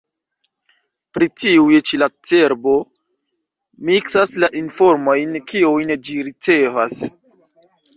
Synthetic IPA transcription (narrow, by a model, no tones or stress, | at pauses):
pɾitiujet͡ʃilat͡seɾbo̞ | miksaslaʔinfo̞ɾmo̞jnkiujnd͡ʒiɾit͡se̞vas